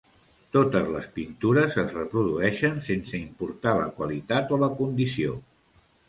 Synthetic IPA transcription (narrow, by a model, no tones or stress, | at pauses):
t̪ot̪əzləspint̪uɾəzəzrəpɾuðuɛʃənsensəimpuɾt̪alə̰kwalit̪at̪oləkund̪isio